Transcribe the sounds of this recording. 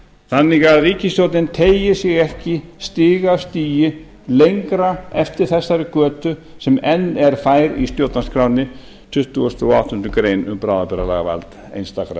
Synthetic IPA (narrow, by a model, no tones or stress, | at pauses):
θanːɪɣaðriːcɪst̪owt̪nɪnt̪ʰeːjjɪsjɛɣɛhcɪst̪ɪːɣast̪iːjɪ | lejŋkɾaɛft̪ɪɾ̥θɛsːaɾʏkœːt̪ʏsɛmɛnːɛɾ̥faːjɾḭst̪jowt̪naskʰɾaːwnɪ | t̪ʰʏht̪uɔst̪θua̰wht̪ʏnt̪ʏkɾeːjnʏ̰mpɾawðapɛɾala̰ɣa̰va̰lt̪ | ḛjnst̪akɾa̰